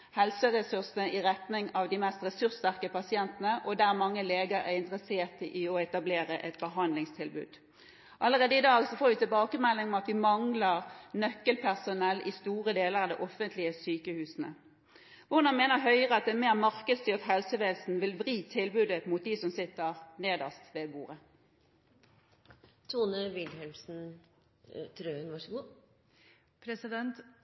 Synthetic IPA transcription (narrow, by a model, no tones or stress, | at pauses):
hɛlsəɾɛsʉʁsnəʔɪʁɛt̪nɪŋɑʋd̪ɪmɛst̪ʁɛsʉʁst̪æʁkəpɑsɪɛnt̪ənəʔɔd̪æʁmɑŋːəleːɡəɾæ̰ɾɪnt̪ɾəseːʁt̪ʔɪɔɛt̪ɑbleːɾəʔɛt̪bəɦɑnd̪lɪŋst̪ʰɪlbʉ̰ːd̪ | ʔɑləʁeːd̪əɪd̪ɑːɡsɔfoːɾʋɪt̪ɪlbɑːkəmɛlːɪŋmɛɑt̪ʋɪmɑŋləʁnœkːəlpʰæʁsʊnɛlːʔɪst̪uːʁəd̪eːləɾɑd̪ɛʔɔfːənt̪lɪəsyːkəhʉːsnə̰ | ʋʊʁd̪ɑnmeːnəɦœʏʁəɑt̪̚d̪ɛnmeːʁmɑʁkəd̪st̪yːʁt̪ɦɛlsəʋeːlsn̩ʋɪlʋʁiːt̪ʰɪlbʉːd̪əmut̪̚d̪isɔmsɪt̪ːəʁneːd̪ɑst̪ʋeːbṵːʁə | t̪ʰuːnəʋɪlhɛlmsn̩ | t̪ʰɾøːnʋɑʂəɡuː | pʰɾɛsɪd̪ɛnt̪